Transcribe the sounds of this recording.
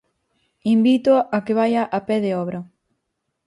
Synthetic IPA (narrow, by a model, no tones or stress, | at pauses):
imbit̪oakeβ̞ajɐʔapɛðeɔβɾɐ